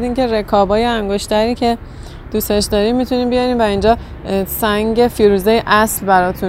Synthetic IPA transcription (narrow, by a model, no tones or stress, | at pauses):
d̪iːnce̞ɾe̞kʰɒːbɒːjeæŋɡo̞ʃt̪ʰæɾiːcʰe̞ | d̪̥ust̪e̞ʃd̪ɒːɾiːmːit̪ʰuniːmbijɒɾiːmvæind͡ʒɒː | sæŋɟe̞fiːɾuːzejeʔæslbæɾɒːt̪ʰun